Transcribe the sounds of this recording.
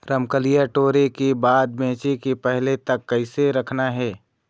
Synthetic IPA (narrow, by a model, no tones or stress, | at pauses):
ɾəmkəlijaʈoːɾekebaːd̪̚bẽːt͡ʃekepɛɦlet̪ɐkːɐɪseɾɐkʰnaɦɛː